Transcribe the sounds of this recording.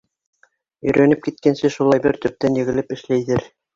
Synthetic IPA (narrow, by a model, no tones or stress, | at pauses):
ɵ̆jɾʔænɘp̚kit̪̚kænsɘʃulˠɑjbɘɾt̪ɵ̆p̚t̪ænjɘ̆ɣɘ̆lɘpɘ̆ʃlæjðɘɾ